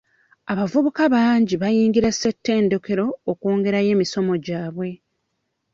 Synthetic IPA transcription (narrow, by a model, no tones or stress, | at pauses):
aβavuβukaβaːɲɟiβajiːŋɡiɾase̞tːe̞ːndo̞ke̞ɾo̞ːkoːŋɡe̞ɾaje̞ːmiso̞mo̞ɟaːβwe̞